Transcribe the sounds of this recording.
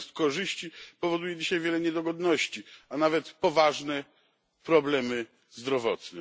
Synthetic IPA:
st̪kɔʐɘɕt͡ɕipɔvɔd̪ujɛd͡ʑiɕajvʲjɛlɛɲɛd̪ɔɡɔd̪nɔɕt͡ɕianavɛt̪pɔvaʐnɛ | pɾɔblɛmɘ | zd̪ɾɔvɔt̪nɛ

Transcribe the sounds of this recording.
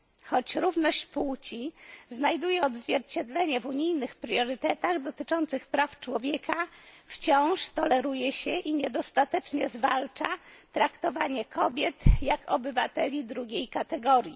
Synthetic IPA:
xɔt͡ɕɾuvnɔɕt͡ɕpuwt͡ɕiznajd̪ujɛɔd̪zvʲjɛɾt͡ɕɛd̪lɛɲɛvuɲijnɘxpɾjɔɾɘt̪ɛt̪aɣd̪ɔt̪ɘt͡ʂɔnt̪sɘxpɾaft͡ʂwɔvʲjɛkʰaft͡ɕɔ̃w̃ʂt̪ɔlɛɾujɛɕɛʔiɲɛd̪ɔst̪at̪ɛt͡ʂɲɛzvalt͡ʂat̪ɾakt̪ɔvaɲɛkʰɔbʲjɛt̪jakɔbɘvat̪ɛlʲid̪ɾuɡʲejkat̪ɛɡɔɾʲji

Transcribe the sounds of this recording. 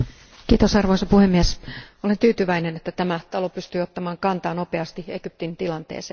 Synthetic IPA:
kiːt̪osɑrʋo̞isɑpuhemːiesole̞nt̪yːt̪yʋæinenet̪ːæt̪æmæt̪ɑlo̞pyst̪yːot̪ːɑmɑːŋkɑnt̪ɑːno̞peɑst̪ieɡ̥yp̚t̪int̪ilɑnt̪ḛːseː

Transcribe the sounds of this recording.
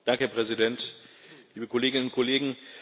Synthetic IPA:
d̥aŋkəhɛɐpʁ̥ɛzidɛntliːbəkʰoleːɡɪnənʊnkʰɔleːɡŋ̩

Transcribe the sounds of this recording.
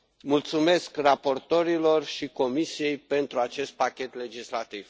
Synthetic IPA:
mult̪sume̞skrapo̞rt̪o̞ɾilo̞rʃiko̞misije̞jpe̞nt̪ɾuat͡ʃe̞st̪̚pakʲe̞t̪le̞d͡ʒislat̪iv̥

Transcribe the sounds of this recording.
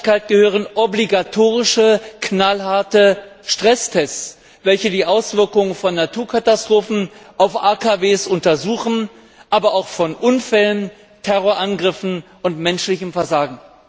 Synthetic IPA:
kaɪt̚ɡ̥əhøːʁ̞ənʔɔbliɡatʰoːʁ̞ɪʃəknalɦaɐtəʃtʁ̥ɛstʰɛst͡s | vɛlçədiːʔaʊsv̥ɪɐkʊŋənfɔnːatʰuːɐkʰatastʁ̥oːfn̩ʔaʊfʔaːkʰaveːsʔʊntɐzuːχn̩ | ʔaːbɐaʊxfɔnʔʊnfɛlən | tʰɛʁoːɐʔanɡʁɪfn̩ | ʊntmɛnʃlɪçəmfɛɐzaːɡŋ̩

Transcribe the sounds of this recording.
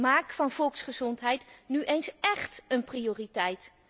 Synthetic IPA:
maːkfɑnv̥ɔlˠksχəzɔntɦɛjtnyʔejnsɛχtənprioːritɛjt

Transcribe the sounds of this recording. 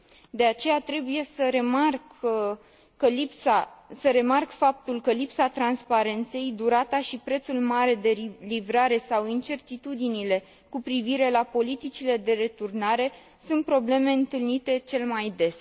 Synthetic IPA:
d̪e̞at͡ʃe̞jat̪ɾe̞buje̞səɾe̞mark | əlipsasəɾe̞markfap̚t̪ulkəlipsat̪ɾanspaɾe̞nt̪se̞jd̪uɾat̪aʃipɾe̞t̪sulmaɾe̞d̪e̞livɾaɾe̞sawint͡ʃe̞rt̪it̪ud̪inile̞ | kupɾiviɾe̞lapo̞lit̪it͡ʃile̞d̪e̞ɾe̞t̪urnaɾe̞ | sunt̪̚pɾo̞ble̞me̞ɨnt̪ɨlnit̪e̞t͡ʃe̞lmajd̪e̞s

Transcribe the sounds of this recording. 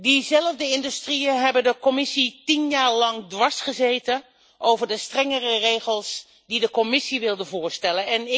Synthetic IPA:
dizɛləvdəɪndystrijəɦɛbəndəkɔmɪsitinjaːɹlɑŋdʋɑsχəzeːtə | ʔowvəɹdəstrɛŋərərejχəlˠs | didəkomɪsiʋɪlˠdəvʊːɹstɛlənɛnɪ

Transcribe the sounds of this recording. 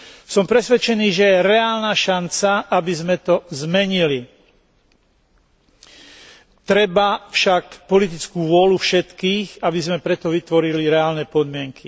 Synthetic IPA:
sɔmpɾɛsʋɛt͡ʃɛniːʒɛjɛɾɛaːlnaːʃant͡saʔabizmɛt̪ɔzmɛɲili | t̪ɾɛbafʃakpɔlit̪̬it͡skuːʋʊɔlufʃɛt̪kiːxabizmɛpɾɛt̪ɔʋit̪ʋɔɾiliɾɛaːlnɛpɔd̪mɪɛŋkʰi

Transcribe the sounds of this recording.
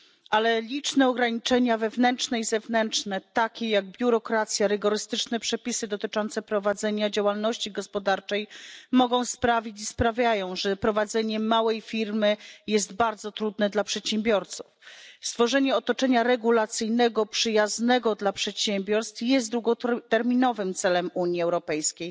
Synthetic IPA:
ʔalɛlʲit͡ʂnɛɔɡɾaɲit͡ʂɛɲavɛvnɛntt͡ʂnɛizɛvnɛntt͡ʂnɛt̪akʲɛjaɡ̚bʲjuɾɔkɾat̪sʲjaɾɘɡɔɾɘst̪ɘt͡ʂnɛpʂɛpʲisɘd̪ɔt̪ɘt͡ʂɔnt̪sɛpɾɔvad̪zɛɲad͡ʑawalnɔɕt͡ɕiɡɔspɔd̪aɾt͡ʂɛjmɔɡɔ̃w̃spɾavʲit͡ɕispɾavʲjajɔ̃w̃ʐɛpɾɔvad̪zɛɲɛmawɛjfʲiɾmɘjɛst̪baɾd̪zɔt̪ɾud̪nɛd̪lapʂɛt̪ɕɛmbʲjɔɾt̪su̥fst̪fɔʐɛɲɛɔt̪ɔt͡ʂɛɲaɾɛɡulat̪sɘjnɛɡɔpʂɘjaznɛɡɔd̪lapʂɛt̪ɕɛmbʲjɔɾst̪fjɛst̪d̪ɾwuɡɔt̪ɛɾmʲinɔvɘmt̪sɛlɛmuɲiɛwɾɔpɛjskʲej

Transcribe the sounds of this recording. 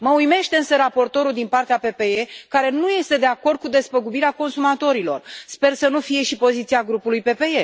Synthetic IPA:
məujme̞ʃt̪e̞ɨnsəɾapo̞rt̪o̞ɾuld̪inpart̪eape̞pe̞ekaɾe̞nuje̞st̪e̞d̪e̞ako̞rd̪̚kud̪e̞spəɡubiɾeako̞nsumat̪o̞ɾilo̞̰rspe̞rsənufije̞ʃipo̞zit̪siaɡɾupulujpe̞pe̞e

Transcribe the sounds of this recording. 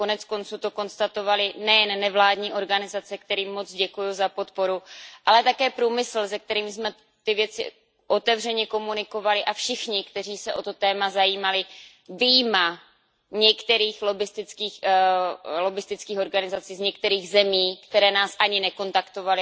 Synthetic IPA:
ko̞nɛt͡sko̞nt͡suːt̪o̞ko̞nst̪at̪o̞valɪnɛjɛnːɛvlaːdɲiːʔo̞ɾɡanɪzat͡sɛkt̪ɛɾiːmːo̞t͡sɟɛkujuzapo̞t̪̚poɾuʔalɛt̪akɛːpɾuːmɪsl̩zɛk̚t̪ɛɾiːmɪsmɛ | t̪ɪvjɛt͡sɪ̰ | ʔo̞t̪ɛvrɛɲɛko̞munɪko̞valɪʔafʃɪxɲɪkt̪ɛr̝iːsɛʔo̞t̪o̞t̪ɛːmazajiːmalɪ | vijma | ɲɛkt̪ɛɾiːxlobɪst̪ɪt͡skiːx | lo̞bɪst̪ɪt͡skiːxo̞ɾɡanɪzat͡siːzɲɛkt̪ɛɾiːɣzɛmiːkt̪ɛɾɛːnaːsʔaɲɪnɛko̞nt̪akt̪o̞valɪ

